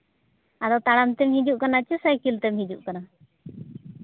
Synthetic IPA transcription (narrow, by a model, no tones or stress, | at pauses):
ad̪ɔt̪aɽamt̪ɛmɦid͡ʒuʔkanat͡ʃɛsajkilt̪ɛmɦid͡ʒuʔkana